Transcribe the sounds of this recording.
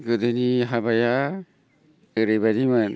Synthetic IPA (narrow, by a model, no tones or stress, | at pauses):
ɡɯdɯniɦabaja | ɯɾɯjbadimɯn